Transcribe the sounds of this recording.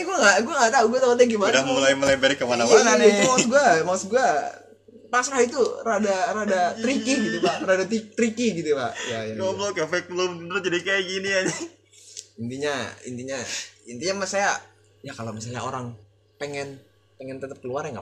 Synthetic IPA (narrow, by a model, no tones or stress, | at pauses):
ɡuaŋɡaɡuaŋɡaʔt̪auɡuat̪aot̪̚aɡimadamulaiməlaibɛɾikːəmanamanadait̪masɡuamasɡua | pasɾahit̪uradaɾadat̪ɾikiɡit̪upaʔradat̪it̪ɾikiɡit̪upa̰ʔjainoblokafɛk̚bloəɾʊt̪̚d͡ʒadikajaɡiniad͡ʒa | int̪iɲaḭnt̪iɲaḭnt̪iɲamasaja | jakalomisalɲa̰o̰ɾaŋ | peŋɛn | peŋɛnt̪ət̪əp̚kəluarɲaŋɡa̰